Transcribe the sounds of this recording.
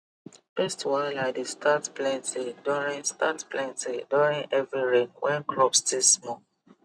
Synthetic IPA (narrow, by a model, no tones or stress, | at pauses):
fɛstwaɪlaɪdestʰatplɛ̃ntʰiduɹĩnstatplɛ̃ntiduɹĩŋɛvɹiɹẽŋwʔɛ̃nkɹɔpstilsmɔ